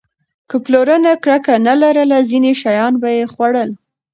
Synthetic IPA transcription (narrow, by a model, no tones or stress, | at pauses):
kəploɾənakɽakanalaɾəlazineʃajɑnbajexwaɽəl